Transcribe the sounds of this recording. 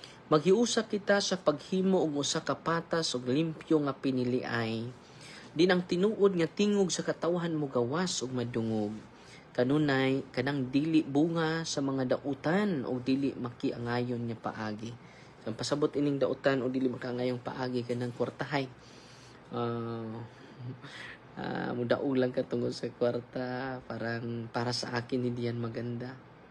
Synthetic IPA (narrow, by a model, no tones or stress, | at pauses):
mɐɡ̚hɪʔuːsap̚kɪt̪asɐpɐɡ̚hiːmoʔʊɡʔʊsakɐpaːt̪asʔʊɡlimpjoŋɐpɪnɪlɪʔaj | d̪ɪnʔɐŋt̪ɪnuːʔod̪̚ŋɐt̪iːŋoɡsɐkɐt̪awɦanmʊɡawasʔʊɡ̚mɐd̪ʊŋoɡ̚ | kɐnuːnajkɐnaŋd̪iːlɪʔbuːŋasɐmɐŋad̪aʔʊt̪anʔo̰ɡ̚d̪iːlɪʔmɐkɪʔɐŋaːjonɲapɐ̰ʔaːɡɪ | sɐmpɐsɐbot̪ʔɪnɪŋd̪aʔʊt̪anoɡ̚d̪iːlɪʔmɐkaʔaŋaːjoŋpɐ̰ʔaːɡɪkɐnaŋkwaɾt̪aɦaj | ʔo | a̰mʊd̪a̰ʔʊɡlaŋkat̪ʊŋod̪sɐkwaɾt̪apaːɾaŋpaːɾasɐ̰ʔaːkɪnːɪd̪ɪjanmɐɡand̪a